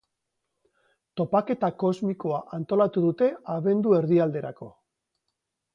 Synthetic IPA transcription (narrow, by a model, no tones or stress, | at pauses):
t̪o̞pake̞t̪ako̞zmiko̞aʔant̪o̞lat̪uðut̪e̞aβe̞nd̪ue̞ɾðiald̪e̞ɾako̞